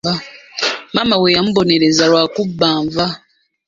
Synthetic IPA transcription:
a | mamawejamubo̞neɾezalwakubːaːɱva

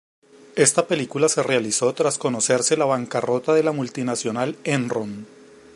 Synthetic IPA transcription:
e̞st̪ape̞likulase̞realiso̞t̪ɾasko̞no̞se̞ɾselaβaŋkaro̞t̪aðe̞lamult̪inasjo̞nalenron

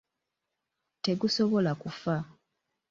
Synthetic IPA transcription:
te̞ɡuso̞βo̞lakufa

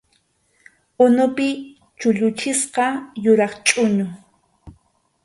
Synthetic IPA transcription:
ʊnʊpɪ | t͡ʃʊʎʊt͡ʃɪsqɑjʊɾɑχt͡ʃʼʊɲʊ

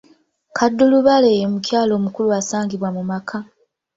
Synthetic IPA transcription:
kʰadːuluβaleːjomucjaːlo̞ːmukuluasaːŋɡiβwamumakʰa

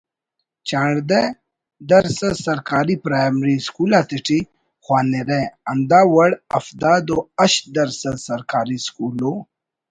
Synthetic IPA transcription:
t͡ɕãːɽd̪e | d̪ɐɾsɐsɐɾkaːɾipɾaːjmɾiskuːlat̪iʈi | xwaːneɾeɐnd̪aːwɐɽɐ̰fd̪aːd̪oɐɕd̪ɐɾsɐd̪sɐɾkaːɾiskuːlo

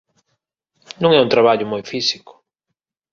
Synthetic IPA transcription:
nũŋɛunt̪ɾaβaʎʊmojfisi̥kʊ̥

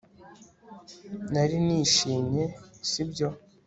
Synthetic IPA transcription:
naɾiniːʃiːmɲe̞sibɟo̞

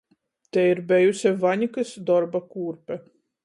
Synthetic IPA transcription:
t̪ɛiɾbɛjusʲɛvaɲʲikɨsd̪ɔɾbakuːɾpʲɛ

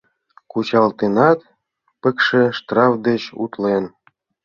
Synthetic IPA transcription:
kut͡ɕɑlt̪enɑt̪ | pə̆kʃĕʃt̪rɑfd̪et͡ɕṵt̪len

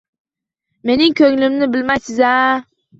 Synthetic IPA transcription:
me̞nɪŋkʰɵŋlɪmnɪbɪlmajsɪza

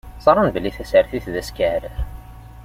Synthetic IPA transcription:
sˤɑɾˤənbəlːiθæsæɾθiθðæskæɾəɾ

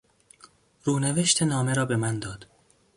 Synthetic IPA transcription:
ɾuːneve̞ʃt̪ʰenɒːme̞ɾɒːbemænd̪ɒːd̪̥

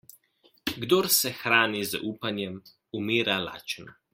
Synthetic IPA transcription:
ɡd̪oɾsɛxɾaːniza̰ʔuːpanjɛm | umiːɾala̰ːt͡ʃn

